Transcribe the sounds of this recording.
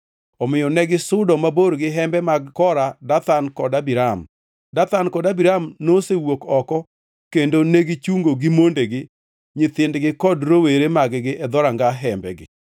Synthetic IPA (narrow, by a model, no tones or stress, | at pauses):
ɔmɪjɔnɛɡɪsʊdɔmaboɾɡɪɦɛmbɛmaɡkɔɾadat̪ankɔdabiɾam | dat̪ankɔdabiɾamnosewokɔkɔ | kendoneɡɪt͡ʃuŋɡoɡɪmondeɡɪ | ɲɪt̪ɪndɡɪkɔdɾoweɾemaɡɡɪʔɛd̪ɔɾaŋɡaɦɛmbɛ̰ɡɪ̰